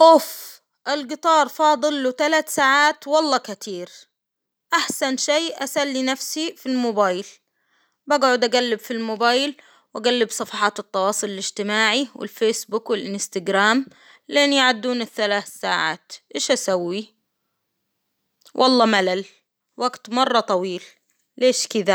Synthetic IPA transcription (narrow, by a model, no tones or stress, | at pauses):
ʔof | ʔɪlɡɨt̪ˤɑːɾˤfɑːd̪ˤɨlːut̪alat̪saːʕaːt̪wɑlˤːɑːkat̪iːɾ | ʔaħsanʃajʔasalːinafsifilmoːbaːjl | baːɡʕʊd̪ʔaɡalːɪbfilmoːbaːjl | wʔaɡalːɪbsˤɑfɑħɑːt̪ɨt̪ˤːɑwɑːsˤʊlɪlɪd͡ʒt̪ɪmaːʕiwɪ̰lfeːsbukwɪlʔɪnst̪aɡɾaːm | lʔenːjaʕad̪ːuːnɪθːalaːθːaːʕa̰ːt̪ʔeːʃʔasawːi | wʔɑ̰lˤːɑːmalal | waɡt̪mɑrˤːɑt̪ˤɑwiːl | leːʃkɪd̪a